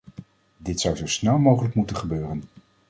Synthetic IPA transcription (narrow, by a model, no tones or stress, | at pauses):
dɪtsʌwzowsnɛlˠmowχələkmutənχəbøːrən